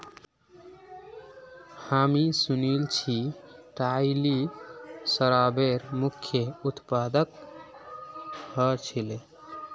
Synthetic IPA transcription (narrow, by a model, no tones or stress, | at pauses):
hamisunilt͡ʃʰiʈaili | səɾabeɾmukʰjəut̪pad̪ək | hɔt͡ʃʰile